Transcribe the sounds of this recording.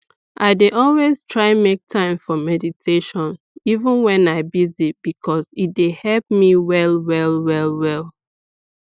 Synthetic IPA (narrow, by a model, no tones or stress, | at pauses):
ʔaɪdeʔɔlweztʰɹaɪmek̚tʰãɪ̃mfɔmɛditʰeʃɔ̃n | ivə̃nwɛ̃naɪbizib̥ikʰɔzit̚dehɛlp̚miwɛlwɛlwɛlˠwɛlˠ